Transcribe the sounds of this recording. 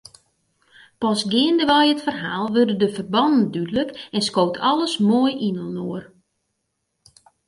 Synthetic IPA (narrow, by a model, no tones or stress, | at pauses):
pɔsɡɪəndəʋɔjətfərɦaːlˠʋørdədəfərbɑndn̩dydələkɛnskowtʰɔlˠəsmoəjʔinəlˠnoər